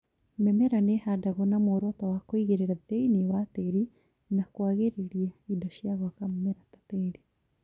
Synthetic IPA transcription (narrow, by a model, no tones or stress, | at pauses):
mɛmɛɾanehadaɣɔnamoːɾɔtɔwakoiɣeɾeɾaðeinewateɾi | nakwaɣeɾeɾiaidɔʃjaɣakamɛmɛɾatḁteɾi